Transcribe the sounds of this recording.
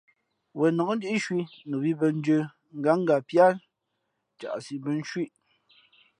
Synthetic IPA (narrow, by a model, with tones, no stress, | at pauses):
wɛ˨nɔ˨ŋ̩˦di˦i˦ʃwi˦nu˨bi˦bə˨n̩˦d͡ʒə˨ | ŋ̩˦ɡa˨˦ŋ̩˦ɡa˨pja˦˨l | t͡ʃa̰˨ʔsi˨bə˨n̩˦ʃwi˦ʔ